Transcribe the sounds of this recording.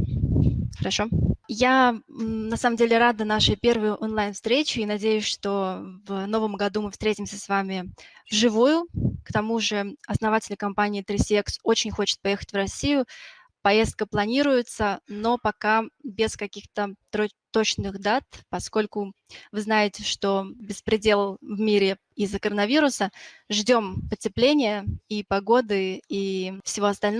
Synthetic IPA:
xəɾɐʂo̞ja | nɐsaməmdʲelʲɪɾad̪ənaʂɨjpʲe̞rvɨjʊʔonlˠajnfst̪ɾʲet͡ɕʊinɐdʲejʊsʲʂt̪o̞vno̞vəmɡɐd̪umɨfst̪ɾʲetʲɪmsʲəsvamʲɪvʐɨvujʊkt̪ɐmuʐɨɐsnɐvatʲɪlʲɪkɐmpanʲɪːt̪ɾʲɪsʲɛkso̞t͡ɕɪnʲxo̞t͡ɕɪ̥t̪̚pɐje̞xə̥tʲvrɐsʲːijʊ | pɐje̞st̪̚kəplˠɐnʲiɾʊjɪt̪səno̞pɐkabʲɪskɐkʲixt̪ət̪t̪o̞t͡ɕnɨxd̪at̪pɐsko̞lʲkʊ | vɨznajɪtʲɪʂt̪o̞bʲɪspɾʲɪdʲe̞lˠvmʲiɾʲɪ | ɪzːəkəɾənɐvʲiɾʊsəʐdʲo̞mpətʲɪplʲenʲɪjəipɐɡo̞d̪ɨifsʲɪvʲo̞ɐst̪ɐlʲn

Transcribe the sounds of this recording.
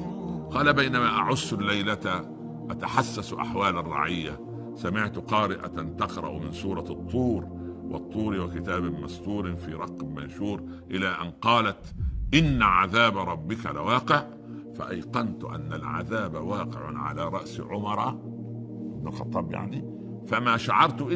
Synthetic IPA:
qɑːlabajnamaːʔaʕʊsːlːajlat̪a | ʔat̪aħasːasʔa̰ħwaːlarˤːɑ̰ʕɪjːa | samɪʕt̪ʊqɑːɾɪʔa̰t̪ant̪ɑqɾˤɑ̰ʔmɪnsuːɾˤɑt̪ˤːuːɾ | wʔɑ̰t̪ˤːuːɾiwɪkɪt̪aːbmɑst̪uːɾfiːɾˤɑqːbmanʃuːɾ | ʔɪlaːʔanqɑːlat̪ʔɪnːaʕaðaːbɾˤɑbːɪkalɪ̰wɑːqɪʕ | fa̰ʔajqɑnt̪ʊʔa̰nːalʕa̰ðaːbawɑːqɪʕʊ̰ʕa̰laːɾˤɑʔsʕʊmɑɾˤɑ | ɪbnʊlxɑt̪ˤːɑːbja̰ʕni | famaːʃaʕɑɾˤt̪ʔɪ

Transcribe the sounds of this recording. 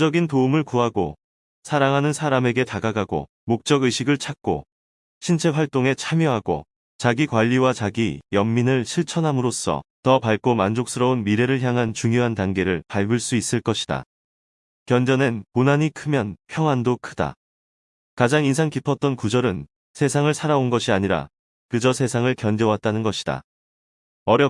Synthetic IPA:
d͡ʑʌɡintoumɯɭkuɦaɡo̰ | sʰaɾaŋɦanɯnsʰaɾame̞ɡe̞taɡaɡaɡo̰ | mok̚t͡ɕ͈ʌɡɯjɕʰiɡɯɭt͡ɕʰak̚k͈o̰ | ɕʰint͡ɕʰe̞k̚waɭt͈oŋe̞t͡ɕʰamjʌɦaɡo̰ | t͡ɕaɡikwaʎːiwat͡ɕaɡijʌmːinɯɭɕʰiɭt͡ɕʰʌnɦamɯɾos͈ʰʌ̰tʌpaɭk͈omand͡ʑok̚s͈ɯɾʌunmiɾe̞ɾɯɭçjaŋɦant͡ɕuŋjoɦantaŋɡe̞ɾɯɭpaɭɡɯɭs͈uis͈ɯɭk͈ʌɕʰi̥da̰ | kjʌnd͡ʑʌnenponaɲikʰɯmjʌnpʰjʌŋɦwandokʰɯda̰ | kad͡ʑaŋins̬ʰaŋkipʰʌt̚t͈ʌnkud͡ʑʌɾɯn | sʰe̞sʰaŋɯɭsʰaɾaonɡʌɕʰiaɲiɾa̰ | kɯd͡ʑʌsʰe̞sʰaŋɯɭkjʌnd͡ʑʌwat̚t͈anɯnɡʌɕʰi̥d̥a̰ | ʌɾjʌ

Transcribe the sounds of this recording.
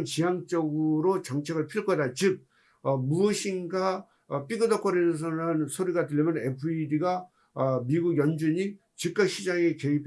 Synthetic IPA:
nt͡ɕijaŋt͡ɕ͈ʌɡɯɾot͡ɕʌŋt͡ɕʰe̞ɡɯɭpʰiɭk͈ʌdat͡ɕɯk̚ | ʌmuʌɕʰinɡa | p͈ʰiɡɯdʌkʰʌɾins̬ʰʌnɯnsʰoɾiɡatɯʎmjʌnepʰɯidiɡa | miɡuɡjʌnd͡ʑuɲi | t͡ɕik̚k͈aɕʰid͡ʑaŋe̞ke̞ipʰ

